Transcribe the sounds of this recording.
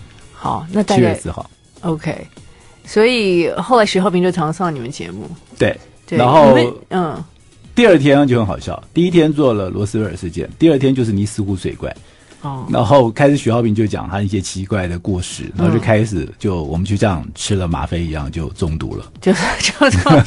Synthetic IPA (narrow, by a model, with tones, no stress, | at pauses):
xɑ˨˩˦ʊna˥˧t͡ɕʰɛ˥˧˩sɹ̩˥˩xɑ̰˨˩˦ʊ | o˧ʊkʰe˥˩ɪ | swɔ˧˥i˨˩xo˥˩ʊla˧˥ɪɕy˧˥xɑ˥˩ʊpʰi˧ŋ˥t͡ɕo˥˩ʊʈ͡ʂʰɑ˧˥ŋsɑ˥˩ni˨˩mə˦nt͡ɕjɛ̰˧˥mṵ˥˩t̪we˥˩ɪ | t̪we˥˧na˧˥nxo˥˧ʊ˧n̩˥˩ | t̪i˥˧ə˞˥˩t̪ʰjɛ˥n˧t͡ɕo˥˩ʊxə˧˥nxɑ˨˩ɕjɑ̰˥˩ʊt̪i˥˧i˥t̪ʰjɛ˥nt͡swɔ˥˩lə˩lwɔ̰˧˥sɹ̩˥we˥ə˞˨˩ʂɻ̩˥˧t͡ɕjɛ̰˥˧nt̪i˥˧ə˞˥˩t̪ʰjɛ˥t͡ɕjʊʂ̬ɻ̩˥˩ni˧˥sɹ̩˥xu˧˥sʰwḛ˨˩ɪkwa̰˥˩ɪ | ɔ˥˩na̰˧˥nxo˥˩˧ʊkʰa˥ɪʂɻ̩˨˩ɕy˧˥xɑ˥˧ʊpʰi˨˩ŋt͡ɕjo˥˩ʊt͡ɕjɑ̰˨˩ŋt̪ʰa˥˧˥ɕjɛ˥t͡ɕʰi˧˥kwa˥˩ɪd̪ə˩ku˥˧ʂɻ̩˥˩na̰˧˥xo˥˧˥t͡ɕo˥˩˧kʰa˥ɪʂɻ̩˨˩t͡ɕjo˥˩ʊwɔ̰˨˩mə˦t͡ɕʰy˥˧˩t͡ɕjɑ˥˩ŋʈ͡ʂʰɻ̩˥lə˨ma̰˧˥fe˥ɪi˧˥jɑ̰˥˧ŋt͡ɕjo˥˧ʊt͡sʊ˥˩ŋt̪ṵ˧˥lə̰˧t͡ɕjo˥˧ʊ˥˩t͡ɕ